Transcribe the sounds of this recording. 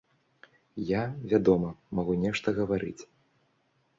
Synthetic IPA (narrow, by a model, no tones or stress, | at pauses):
javʲad̪ɔmɐmaɣunʲɛʂt̪ɐɣɐvaɾɨ̰t͡sʲ